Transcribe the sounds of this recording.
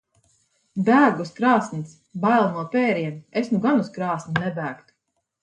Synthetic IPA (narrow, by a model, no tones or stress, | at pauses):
bæːɡuskɾɑːsnis | bajlˠnuɔpɛːɾiɛnesnuɡanuskɾɑːsnnɛbæːkt̪u̥